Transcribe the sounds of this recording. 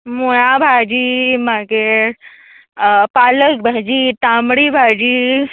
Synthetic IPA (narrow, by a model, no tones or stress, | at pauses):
mojãbʱad͡ʑiːmake | paːlək̚bʱad͡ʒiːʈ̪amɽibʱad͡ʑiː